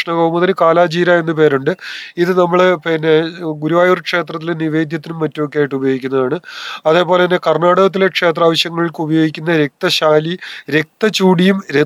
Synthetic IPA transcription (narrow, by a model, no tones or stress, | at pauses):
ʂɳɐɣɐɣumːɐðɐnɨkaːlaːd͡ʑiːɾaːe̞nːɨpe̞ːɾuɳɖɨiðɨnɐmːɐɭpinːeɡuɾuʋaːjurkʂe̞ːt̪rɐt̪̬ːilniʋe̞ːd̪ʱjɐt̪ːinumːɐtːumokːejaːjiʈːubɐjoːɡikʲːunːɐðaːɳɨɐðe̞ːpo̞ːle̞inːekɐrɳaːɽɐɣɐt̪̬ːile̞kʂe̞ːt̪̬raːʋɐɕjɐŋːɐɭiɭkɨubɐjo̞ːɡikʲːunːɐɾe̞k̚t̪ɐɕaːliɾe̞k̚t̪ɐt͡ɕuːɽijumɾe